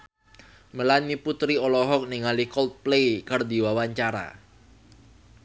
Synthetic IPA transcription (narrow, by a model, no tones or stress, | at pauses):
məlanmiput̪ɾiɔlɔɦɔk̚niŋalikɔlt̪̚plejkərd̪i̤wawaɲt͡ʃaɾa̰